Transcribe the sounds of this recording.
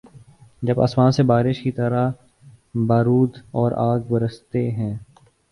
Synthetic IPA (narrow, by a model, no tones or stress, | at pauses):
d͡ʒɐba̰ːsmaːnsebaːɾɪʃkit̪əɾa | baːɾuːd̪ɔːɾʔaːɡbəɾəst̪eɦɛ̃ː